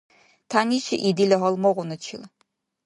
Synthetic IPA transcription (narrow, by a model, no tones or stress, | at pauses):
tʰaːniːʃʰɐʔidilɐɦɐlmɐʁʷʊnɨt͡ʃʰḭl